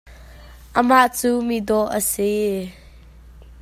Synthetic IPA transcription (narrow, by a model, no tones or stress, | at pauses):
ʔəmaʔt͡sumid̪ɔʔə̰se